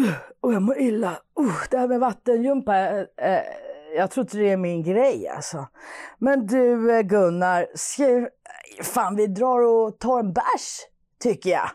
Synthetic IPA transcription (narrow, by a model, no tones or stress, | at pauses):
ɔjɑmɔɪlːaʊhd̪ɛhæɾmɛvat̪ːənjɵmpa | jɑt̪ʰɾuːt̪əd̪ɛːmɪnɡɾɛja̰lsɔmɛnd̪ʉɡɵnːaɾska | faːnvɪd̪ɾɑːɾɔt̪ʰɑːɾɛnbæʂ | t̪ʰʏkːəja̰